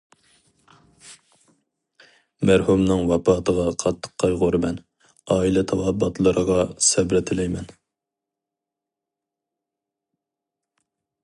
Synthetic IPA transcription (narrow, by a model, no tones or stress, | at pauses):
mæɾhumnɨŋwɑpɑːt̪ʰəʁɑqʰɑt̪ʰːə̥qʰːɑjʁʊɾɨmɛn | ɑːilɛt̪ʰɑwɑbːɑt̪lˠəɾəʁɑsɛbɾɪt̪ʰɪlɛjmɛn